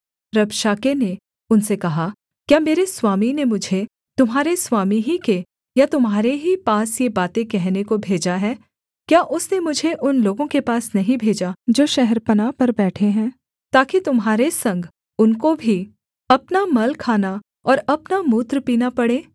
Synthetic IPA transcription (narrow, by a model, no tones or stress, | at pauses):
ɾɐbʃaːkene | ʊnsekɐɦa | kjaːmeːɾeswaːminemʊd͡ʒʱe | t̪ʊmɦaːɾeswaːmiɦike | jat̪ʊmɦaːɾeɦipaːsjebaːt̪ẽkɛɦnekobʱeːd͡ʒaɦɛː | kjaːʔʊsnemʊd͡ʒʱeʔʊnloːɡõkepaːsnɐɦĩbʱeːd͡ʒad͡ʒoːʃɛɦɛɾpɐnaːpɐɾbɛːʈʰeɦɛ̃ː | t̪aːkit̪ʊmɦaːɾesɐ̃ŋɡ | ʊnkobʱi | ɐpnamɐlkʰaːna | ɔːɾɐpnamuːt̪ɾpiːnapɐɽeː